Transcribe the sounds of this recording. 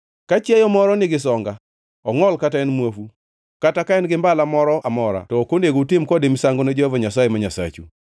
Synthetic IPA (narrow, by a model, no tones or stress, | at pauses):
kat͡ʃjɛjɔmɔɾɔnɪɡɪsɔŋɡa | ɔŋɔlkataɛnmwofu | katakaɛnɡɪmbalamɔɾɔʔamɔɾa̰tɔkondeɡoutɪmkɔdɪmsaŋɡoned͡ʒɔavɔɲasajemaɲasa̰t͡ʃṵ